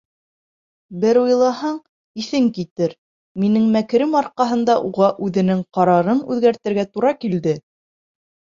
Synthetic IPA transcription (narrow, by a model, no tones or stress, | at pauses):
bɘɾujlˠɑɦɑɴ | iθɘŋkit̪ɘɾ | minɘŋmækɾɘmɑɾqɑɦɤ̆nd̪ɑʔuʁɑʔʉðɘ̆nɘŋqɑɾɑɾɤnʉðɡæɾt̪ɘ̆ɾɡæt̪uɾɑkild̪ɘ